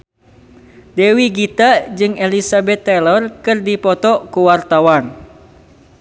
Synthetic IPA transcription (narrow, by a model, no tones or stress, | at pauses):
dɛwiɡit̪ad͡ʒɨŋelisabɛt̪ːɛlɔrkɨrdipɔt̪ɔkuwart̪awan